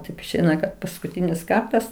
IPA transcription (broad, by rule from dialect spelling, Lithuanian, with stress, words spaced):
tɐɪp ɪʃʲˈɛɪnɐ kɐt pɐskʊˈtʲiːnʲɪs ˈkɐrtɐs